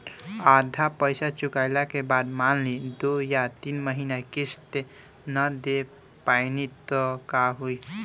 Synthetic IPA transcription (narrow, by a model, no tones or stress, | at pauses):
ad̪ʱapəjsat͡ʃukaɪlakebad̪manlid̪ojat̪inməɦinakist̪e | nəd̪e | paɪnit̪əkaɦui